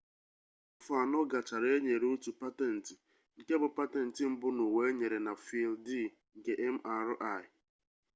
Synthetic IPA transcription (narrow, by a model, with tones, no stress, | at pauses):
fʊ˨a˨nɔ˦ɡa˨t͡ʃa˨ɾe˦ɲe˨ɾu˦tu˨pa˦te˦n̩˨tɪ˨ | ŋ̩˨ke˦bʊ˨pa˦tɛ˦n̩˨tɪ˨m̩˦bʊ˦nu˨we˦ɲe˨ɾe˨na˨fi˨ldi˦˨ | ŋ̩˨ke˦ʔe˦m̩˦ʔa˨ɾʊ˦ʔa˦˨ɪ˨